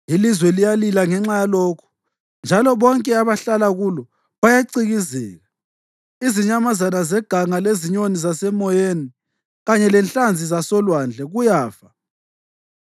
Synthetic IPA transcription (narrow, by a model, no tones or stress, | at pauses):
ilizwɛlijalilaŋɛŋ͡ǁajaloːkʰu̥ | nd͡ʒʱalɔβɔŋkʼɛaβaɬalaɣulɔ | βajaǀiɣizɛːɣa | iziɲamazanazɛɡ̥ʱaŋaleziɲonizasɛmɔjeni | ɣaɲɛlɛnɬand͡zʱizasɔlwand͡ɮʱɛɣujaːfa